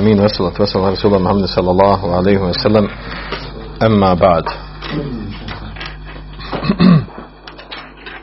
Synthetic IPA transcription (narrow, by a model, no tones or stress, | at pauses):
miːnwasɑlat̪wasalrˤːɑsuːlamʊħamːad̪sˤɑlːɑlˤːɑːɦʕalajhɪwasalːam | ʔamːaːbaʕd̪